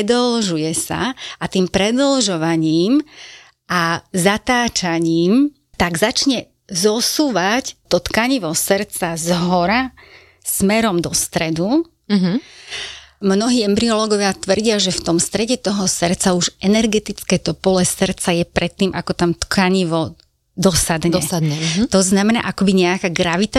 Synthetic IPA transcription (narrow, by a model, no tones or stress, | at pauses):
ɛd̪ɔlʒujɛsa̰ʔat̪iːmpɾɛd̪ɔlʒɔʋaɲiːm | ʔazat̪aːt͡ʃaɲiːm | t̪aɡzat͡ʃɲɛ | zɔsuːʋact̪ɔt̪kaɲiʋɔsɾt͡sazɦɔɾa | smɛɾɔmd̪ɔst̪ɾɛd̪u | ɦ | mnɔɦiːɛmbɾiɔlɔɡɔʋɪat̪ʋr̩ɟɪaʒɛft̪ɔmst̪ɾɛɟɛt̪ɔɦɔsɾt͡sauʒʔɛnɛɾɡɛt̪it͡skɛːt̪ɔpɔlɛsərt͡sajɛpɾɛt̪ːiːmʔakɔt̪amt̪kʰaɲiʋɔ | d̪ɔsad̪ɲd̪ɲɛt̪ɔznamɛna̰ːʔakɔbiɲɛakaːɡɾaʋit̪a